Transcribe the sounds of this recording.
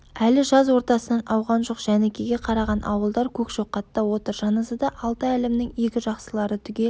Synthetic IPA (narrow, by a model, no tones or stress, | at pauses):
ælɪʒɑzwo̞ɾt̪ɑsənɑnʔɑwʁɑnʒo̞qʒ̥ænekʲʰeɡʲe̞qʰɑɾɑʁɑnʔɑ̰wəlˠd̪ɑɾkʲʰɵkʒ̥o̞qːɑt̪ːɑwo̞t̪əɾʒɑnəzəd̪ɑʔɑlˠt̪ɑælemnɪŋe̞kʲɪʒɑqsəlˠɑɾət̪ʰʏɡʲe̞